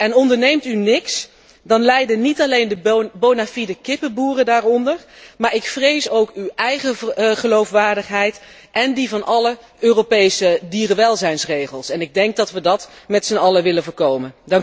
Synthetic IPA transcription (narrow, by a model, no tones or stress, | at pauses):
ʔɛnɔndəɹnejmtynɪks | dɑnlɛjdənitɑlejndəbonafidəkɪpəbuːrədaːrɔndəɹmaːɹɪkfrejsowkywʔɛjχəχəlowfʋaːɹdəχɦɛjt | ʔɛndivɑnʔɑlə | øːropejsədiːrəʋɛlˠzɛjnsrejχəlˠsɛnɪɡ̚dɛŋk̚dɑtʋədɑtmɛtsənɑləʋɪləvəːɹkowməndɑŋk